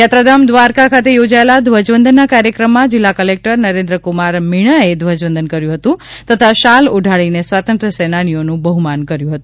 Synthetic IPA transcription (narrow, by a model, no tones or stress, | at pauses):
jat̪ɾad̪amd̪ʋaɾkakʰat̪ejod͡ʒaelad̪ʱʋəd͡ʒʋənd̪ʱənːakaɾjəkɾəmːãd͡ʒɪlːakəlek̚ʈəɾnəɾend̪ɾəkumaɾmiɽ̃aed̪ʱʋəd͡ʒʋənd̪ʱənkəɾjũɦət̪ũt̪ət̪ʰaʃaluɖʱaɭinesʋat̪ənt̪ɾəsenañijonũbəɦumankəɾjũɦət̪ũ